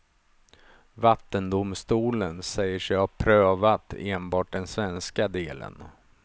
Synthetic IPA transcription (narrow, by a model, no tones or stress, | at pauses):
vat̪ːənd̪ʊmst̪uːlənsɛjːəʂɛhapʰɾøːvat̪eːnbɑːʈ̚ɖ̪ɛnsvɛnskad̪eːlə̰n